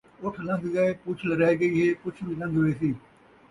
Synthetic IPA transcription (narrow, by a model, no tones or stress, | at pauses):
ʊʈʰlə̃ŋɡɡaeːkʊt͡ʃʰləɾaːiɡəiːɦeːkʊt͡ʃʰʋiːlə̃ŋɡɦoeːsiː